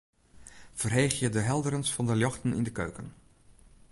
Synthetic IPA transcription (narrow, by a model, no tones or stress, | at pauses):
v̥ərɦejχjədəɦɛlˠdəɾənsfɑndəljɑxtənɪ̰ndəkø̰ɥkən